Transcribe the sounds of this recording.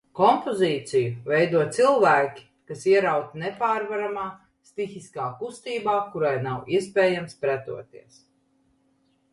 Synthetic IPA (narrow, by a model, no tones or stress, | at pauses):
kɔmpoziːt̪sijuvɛjd̪uɔt̪silˠvæːkʲi̥ | kasiɛɾawt̪nɛpaːɾvaɾamaː | st̪ixiskaːkust̪iːbaːkuɾajnawiɛspʲɛːjamspɾæt̪ṵɔt̪iɛs